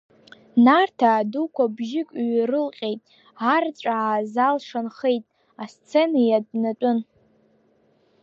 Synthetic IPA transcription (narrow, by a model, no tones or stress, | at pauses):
nartʰaːdukʷabʒɪkʷʼɥrɨlqʲʼe̞jtʼ | art͡sʷʼaazalʂanχejtʼ | ast͡sʰe̞najadnat͡ʃʷʼʊn